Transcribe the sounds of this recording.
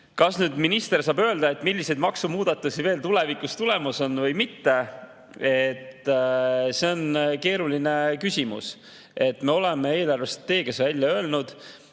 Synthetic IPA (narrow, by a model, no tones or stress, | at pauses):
kɑsnyːd̪minist̪e̞rsɑːbø̞ːld̪̥ɑe̞t̪ːˑmilʲːise̞jd̪mɑksumuːd̪̥ɑt̪ːˑusive̞ːlt̪ule̞vikust̪ule̞mɑso̞nvɤjmit̪ːe̞ | et̪ːse̞o̞nke̞ːɾuline̞kysʲimṵs | e̞t̪ːme̞o̞le̞mee̞ːlɑrve̞se̥t̪ːe̞ːkesvælʲjɑø̞e̞lnud̪̥